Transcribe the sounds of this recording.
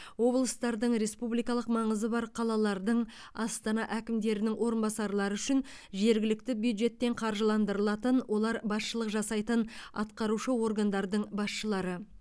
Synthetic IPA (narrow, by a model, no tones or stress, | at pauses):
wo̞blˠəst̪ɑɾd̪əɴɾe̞spublijkɑlˠəqmɑɴəzəbɑɾqʰɑlˠɑlˠɑɾd̪əɴ | ɑst̪ɑnɑʔækʲɪmd̪e̞ɾɪnɪŋwo̞ɾənbɑsɑɾlˠɑɾəʏʃɪn | ʒe̞ɾɡʲɪlɪkt̪ɪbjud̪ʒe̞t̪ːe̞ɴqʰɑɾʒəlˠɑnd̪əɾəlˠɑt̪ənwʔo̞lˠɑɾbɑsʃəlˠəqʒɑsɑjt̪ənɑ̰t̪qɑɾuʃəwo̞rɡand̪ɑɾd̪əɴbɑsʃəlˠɑɾə